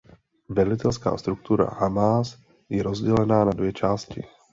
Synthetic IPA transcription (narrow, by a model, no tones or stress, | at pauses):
vɛlɪt̪ɛlska̰ːst̪ɾuk̚t̪uɾa̰hamaːs | jɛɾozɟɛlɛnaːnadvjɛt͡ʃaːscɪ